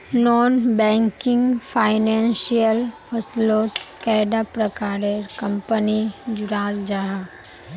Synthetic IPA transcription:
nɔːnbɛ̃ːŋkɪ̃ŋɡfʰaːɪnɛ̃ːnsijəlfʰəsloːt̪kɛːɖapɾəkaːɾekɐ̃mpənid͡ʒʊɾaːzd͡ʒaɦa

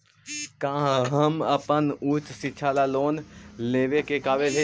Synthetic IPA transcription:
kãːɦɦəməpənuːt͡ʃsɪːt͡ʃʰaːlaloːnleːʋekekaːʋelɦe

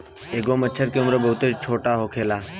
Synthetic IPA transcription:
eːɡomət͡ʃʰəɾkeʊmɾəbəɦʊt̪et͡ʃʰoːʈaɦokʰeːlaː

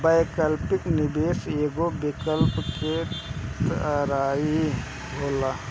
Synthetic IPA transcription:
baːjkəlpɪknɪbeːseːɡobɪkəlpket̪ɾaːi | boːla

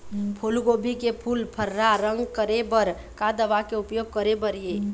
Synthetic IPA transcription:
pʰulɡobikepʰulpʰəɾːaɾəŋɡkəɾebəɾ | kad̪əʋakeupjoɡ̚kəɾebəɾije

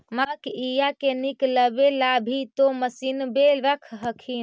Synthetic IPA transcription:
makijakenikləbelabʱit̪oməsinbelʋəkʰɦəkʰin

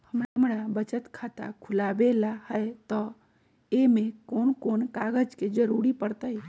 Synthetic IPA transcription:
həmɾamɾabət͡ʃət̪kʰat̪a̰kʰʊlabelahəet̪ɔ | emẽkonkonkaɡəd͡ʒked͡ʒəɾuɾipəɾt̪ə

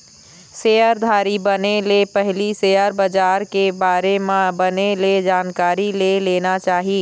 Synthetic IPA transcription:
sejəɾd̪ʱaːɾibənelepɛɦlisejəɾbəd͡ʒaːɾkebaːɾemãbəneled͡ʒaːnkaːɾileleːnat͡ʃaːɦiː

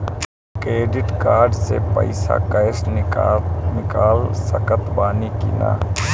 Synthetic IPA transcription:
kɾeːɖɪʈkaːɾɖsepə̰ɪsa̰kəjɪs | nɪkaːlsɐkət̪baːnikḭna̰ː

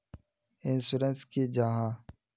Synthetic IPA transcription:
ɪnsuɾenskid͡ʒaɦãː

